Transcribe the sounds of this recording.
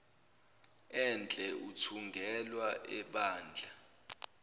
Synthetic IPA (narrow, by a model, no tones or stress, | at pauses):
ɛnd͡ɮʱʼɛʔutʰuŋɡʱɛlwaʔɛɓaːnd͡ɮʱa